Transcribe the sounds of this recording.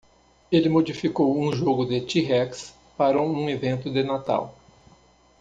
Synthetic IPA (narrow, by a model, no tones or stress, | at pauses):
elɪmod͡ʒifikowũʒoɡʊd̪ɪt͡ʃiɦɛks | paɾɐũevẽnt̪ʊd̪ɪnat̪a̰w